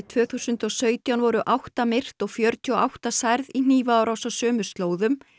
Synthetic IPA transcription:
t̪ʰvœːθusʏnt̪ɔɣsœːɥt̪jawnvɔɾʏʔawht̪amɪr̥t̪ɔɣfjœɾt̪ʰiɔʔa̰wht̪asajɾðin̥iːvaːwɾʔawsasœːmʏ̥st̪loːwðʏm

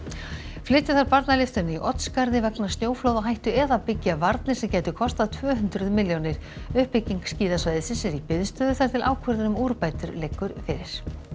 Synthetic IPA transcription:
flɪːt̪ːɪθaɾpaɾt̪nalɪft̪ʏɾnɪiʔɔt̪nskaɾðɪvɛknḁst̪njoːwflowðaɦajht̪ʏɛðapɪcːavaɾt̪nɪ̥sɛmcɛːjt̪ʏkʰɔst̪aðt̪ʰvœːɦʏnt̪ɾʏðmɪljownɪɾ̥ | ʏhpɪcːiŋksciːðasvajðɪsɪnsɛɾipɪðst̪œːðʏθaɾ̥t̪ʰɪlaːwkʰœɾðɪnʏmuːɾpaːjt̪ʏɾlejkːʏɾfɪːɾɪɾ̥

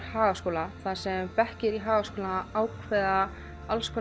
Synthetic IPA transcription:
ɾhaːɣaskoːwlaθasɛmpɛhcɪɾiɦaːɣaskoːlanaawkʰvɛða | alskʰɔ

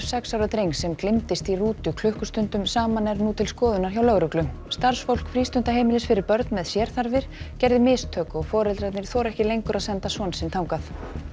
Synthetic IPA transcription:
sɛksawɾat̪ɾejŋsɛmklɪmt̪ɪst̪iruːt̪ʏkʰlʏhkʏst̪ʏnt̪ʏmsaːmanɛɾnuːt̪ʰɪlskɔːðʏnaɾ̥çawlœɣɾʏklʏ | st̪aɾ̥sfowl̥kfɾiːst̪ʏnt̪aɦejmɪlɪsfɪɾɪɾpœɾt̪nmɛðsjɛɾ̥θaɾvɪɾ̥cɛɾðɪmɪːst̪ʰœːkɔɣfɔːɾɛlt̪ɾat̪nɪɾ̥θɔːɾɛhcɪlejŋkʏɾaðsɛnt̪asɔnsɪnt̪ʰaːwŋkaθ

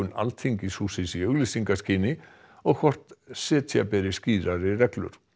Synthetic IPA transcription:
ʏna̰lt̪θiɲcɪsuːsɪsiœɣlisiŋkasciːnɪ | ɔɣkʰvɔr̥t̪sɛːt̪japɛɾɪsciːɾaɾɪrɛklʏ̰ɾ̥

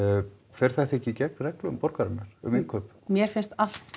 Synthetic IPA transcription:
fɛɾ̥θɛht̪ɛhcːɪcɛkrɛklʏmpɔɾkaɾɪnːaɾ̥ʏ̰mɪnkʰœːpmjɛɾ̥fɪnst̪al̥t̪

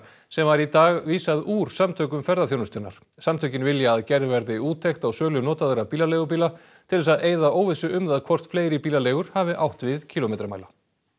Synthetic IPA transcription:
sɛmvaɾit̪aːɣviːsaðuːɾ̥samt̪ʰœːkʏmfɛɾðaθjownʏst̪ɔnːa̰ɾ̥ | samt̪ʰœɥcɪnvɪljaːðcɛɾðvɛɾðɪuːt̪ʰːejxt̪awsœːlʏnɔːt̪aðʏɾapiːlalejɣʏp̬iːla | t̪ʰɪlðɛsaðeːjðaoːwvɪsʏʔʏmðaðkʰvɔr̥t̪fleːjɾɪpiːlaleːɣʏɾ̥haːvɪʔawht̪vɪðcʰiːlomejt̪ɾamaːjla

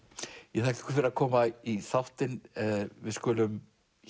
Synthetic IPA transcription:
jɛtθʰaːhcɪ̥ɛ̥kʰʏɾ̥fɪɾɪɾakʰɔːmaiθaft̪ɪnvɪðskʏːlʏm

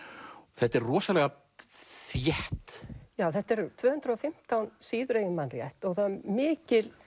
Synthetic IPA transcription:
θɛht̪ɛɾrɔːsalɛɣa | θjɛht̪jaːwθɛht̪ɛɾt̪ʰvœːhʏnt̪ɾəɔfɪm̥t̪awnsiːðʏɾeːjɣɪmanrjɛ̰ht̪ɔɣθaðmɪːcɪl

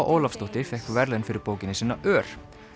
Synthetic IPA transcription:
ʔoːwlafst̪ɔht̪ɪ̥fɛhkvɛɾlɛnfɪɾɪɾpoːwcɪnɪsiːnːaʔœːɾ̥

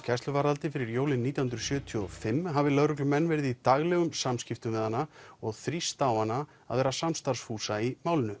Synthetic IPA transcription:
cʰɛst̪lʏvaɾalt̪ɪfɪɾɪɾjoːwlɪnːiːt̪jahʏnɾʏ̥sjœːt̪ʰjɔfɪmːɦavɪlœðɾʏk̬lʏmɛnːvɛːɾɪðit̪aɣlɛɣʏmsamscɪft̪ʏmvɪðhanːaɔɣθɾist̪awhanːa | a̰ðvɛːɾasamst̪aɾsfuːsaimaːwlɪnʏ

